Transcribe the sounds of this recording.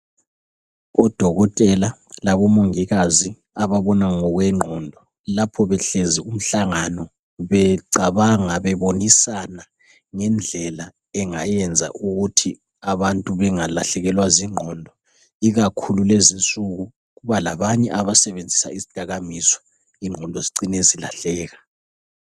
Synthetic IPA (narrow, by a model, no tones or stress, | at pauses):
ɔd̥ʱɔɣɔtʼɛlalaβɔmoŋiɣazi | aβaβɔnaŋɔɣwɛŋ͡ǃʱɔndʱɔ | lapʰɔβɛɬɛzium̩ɬaŋanɔ | βɛǀaβaŋaβɛβonisana | ŋɛnd͡ɮʱɛla | ɛŋajɛnd͡zʱa̰ʔuɣutʰi | aβantʼuβɛŋala̰ɬɛɣɛlwaziŋ͡ǃʱɔndʱɔ | iɣakʰululezint͡sʼuɣu | ɣuβalaβaɲɛʔaβasɛβend͡zʱisa̰izid̥ʱaɣamisɔ̥ | iŋ͡ǃʱɔndʱɔziǀinezila̰ɬɛːɣa